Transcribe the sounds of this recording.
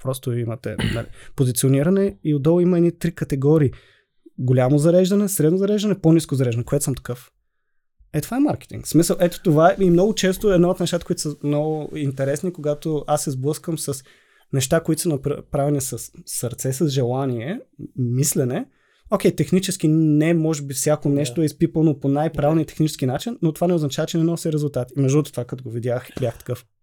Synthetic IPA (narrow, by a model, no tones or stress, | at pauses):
pɾɔst̪ʊimɐt̪ɛ̰nɐ̰lḭpozit̪sioniɾɐnɛiod̪ɔlˠimɐɛd̪nit̪ɾikət̪ɛɡɔɾiː | ɡolʲamozɐɾɛʒd̪ɐnɛsɾɛd̪nozɐɾɛʒd̪ɐnɛponiskʊzɐɾɛʒd̪nɛkoɛt̪səmt̪ɐ̥kɤf | ɛt̪ovaɛmaɾkɛ̥t̪ḭŋksmisəlˠʔɛt̪o̥t̪ovaɛimnɔɡʊt͡ʃɛst̪ʊɛd̪naot̪nɛʃt̪at̪əkʊit̪səmnɔɡʊint̪ɛɾɛsnikoɡat̪oasːɛzblˠɤskəmsɐs | nɛʃt̪akoit̪o̥sənɐpɾpɾavɛnisɐsːəɾt̪sɛsɐzʒɛlˠaniɛmislɛnɛ | ok̟ʲɛjt̪ɛxnit͡ʃɛsk̟inɛmɔʒɛbifsʲjakonɛʃt̪oɛispipənoponajpɾavɛlnijət̪ɛ̥xnit͡ʃɛsk̟inat͡ʃinːot̪ovanɛoznɐt͡ʃavɐt͡ʃɛnɛnɔsiɾɛzʊlˠt̪at̪imɛʒd̪unət̪o̥t̪ovakɐt̪oɡovid̪ʲjaxbʲjaxt̪ɐ̥kɤf